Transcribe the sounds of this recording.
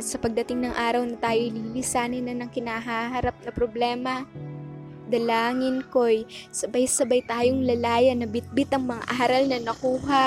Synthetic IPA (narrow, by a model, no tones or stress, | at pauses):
t̪sɐpɐɡ̚d̪ɐt̪ɪŋnɐŋʔaːɾɐwnɐt̪aːjoliːlɪsaːnɪnɐnɐŋkɪnaɦaːɦɐɾap̚nɐpɾoblɛːmɐ | d̪ɐlaːŋɪnkojsɐbajsɐbɐjt̪aːjoŋlɐlaːjɐnːɐbɪt̪̚bɪt̪ɐŋmɐŋa̰ʔaːɾɐlnɐnɐkuːɦɐ